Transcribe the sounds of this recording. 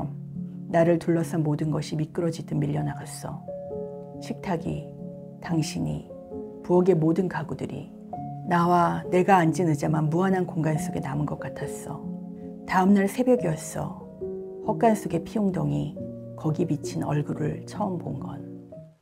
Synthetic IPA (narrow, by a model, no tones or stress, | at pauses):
naɾɯɭtuɭːʌs͈ʰʌnmodɯnɡʌɕʰimik͈ɯɾʌd͡ʑidɯnmiʎːʌnaɡas͈ʌ̰ | ɕʰik̚tʰaɡḭ | taŋɕʰiɲḭ | puʌɡe̞modɯnkaɡudɯɾḭ | nawane̞ɡaːnd͡ʑinɯd͡ʑamanmuanɦankoŋɡansʰoɡe̞namɯnɡʌk͈atʰas͈ʌ̰ | taɯmnaɭsʰe̞bjʌɡiʌs͈ʌ̰ | ɸwak̚k͈ans͈ʰoɡe̞pʰioŋdoŋi | kʌɡimit͡ɕʰinʌɭɡuɾɯɭt͡ɕʰʌmpo̰nɡʌ̰n